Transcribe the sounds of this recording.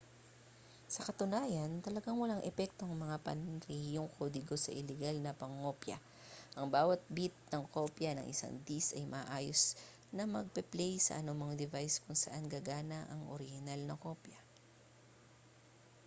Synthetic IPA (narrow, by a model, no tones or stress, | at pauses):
sɐkɐt̪ʊnaːjɐnt̪ɐlɐɡaŋwɐlaŋʔɛpɛk̚t̪oɐŋmɐŋapɐ̰nɾɛhjoŋkʰod̪ɪɡo̞sɐ̰ʔɪlɛɡalnɐpɐŋːo̞pjɐ̰ | ʔɐŋbaːwɐt̪̚bit̪̚nɐŋko̞ːpjɐnɐ̰ŋʔɪ̰sa̰ŋd̪isɐjmʔɐaʔaːjos | nɐmɐɡ̚pɛplɛjsɐ̰ʔɐnomɐŋd̪ɪvajskʊŋsɐ̰ʔanɡaːɡaːnɐʔɐŋʔo̰ɾɪhɪnalnɐko̞pjɐ